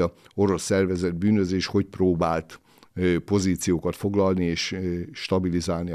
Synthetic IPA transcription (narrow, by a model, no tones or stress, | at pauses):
ɒo̞ɾo̞sːɛrvɛzɛd̪̚byːnøzeːʃho̞cproːbaːlt̪ | po̞ziːt̪sijoːkɒt̪fo̞ɡlɒlnieːʃʃt̪ɒbilizaːlni